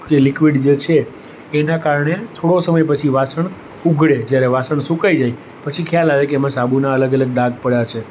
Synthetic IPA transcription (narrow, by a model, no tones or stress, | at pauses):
d͡ʒelikʋiɖd͡ʒet͡ʃʰeː | nakaɾɳet̪ʰoɽosəməjp̬ət͡ʃʰiʋasəɳ | uɡʱɽed͡ʒjaɾeʋasəɳsũkajd͡ʒaj | pət͡ʃʰikʰjalaʋekeːmãsabunaələɡələɡ̚ɖ̪ãɡ̚ʱpəɽjat͡ʃʰe